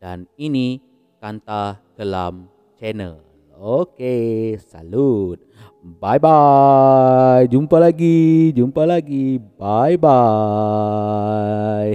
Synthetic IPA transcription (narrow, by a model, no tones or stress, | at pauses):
d̥a̰nini | kant̪akəla̰m | t͡ʃɛnə̰ | l | okesa̰lut̪̚ | bajba | jd͡ʒumpalaɡid͡ʒumpalaɡibajba | j